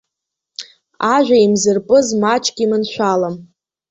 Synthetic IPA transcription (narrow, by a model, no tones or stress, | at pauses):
aʒᶣʷaimzɨrpʼɨzmat͡ʃʰʼɡʲimɨnʃʷᶣalam